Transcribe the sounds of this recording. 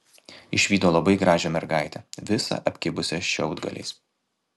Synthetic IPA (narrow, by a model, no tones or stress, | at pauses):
ɪʃʲʋʲiːd̪oːlˠɐbɐɪɡɾɑːʒʲɛmʲɛɾɡɑɪt̪ʲɛʋʲɪsɑ̰ʔɐpʲkʲɪbʊsʲɛʃʲɛʊd̪ɡɐ̰lʲɛ̰ːs